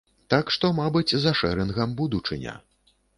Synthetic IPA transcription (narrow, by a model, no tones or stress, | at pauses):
t̪akʂt̪ɔmabɨt͡sʲzɐʂɛɾɨnɣɐmbud̪ut͡ʂɨnʲɐ̰